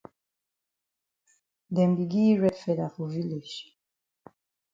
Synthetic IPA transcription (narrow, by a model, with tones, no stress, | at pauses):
dɛ̃˨mbi˨ɡi˦ɹɛ˦fɛ˨da˨ku˨vi˦le˨ʃ